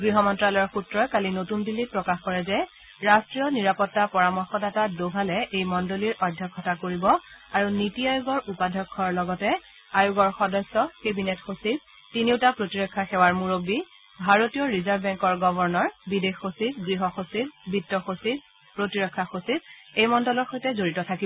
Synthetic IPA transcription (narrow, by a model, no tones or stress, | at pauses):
ɡɹiɦɔmɔntɹalɔɔɹxutɹɔjkalinotundilːit̚pɹɔkaxkɔɹɛzɛ | ɹastɹiɔniɹapɔtːapɔɹamɔɹxɔdatadoɡʱalɛʔejmɔndoliɹʔɔdʱːɔkʰːɔtakoɹibɔaɹunitiajuɡɔɹupadʱɔkʰːɔɹlɔɡɔtɛ | ajuɡɔɹxɔdɔsːɔkebinetxosit̚ | tiniwtapɹotiɹɔkʰːaxɛwaɹmuɹobːi | bʱaɹotijɔɹizaɹbɛŋkɔɹɡɔbʱɔɹnɔɹbidexːositɡɹiɦɔxositbʱitːɔxosit̚ | pɹotiɹɔkʰːaxosit̚ejmɔndɔlɔɹxojtɛzoɹitɔtʰakibɔ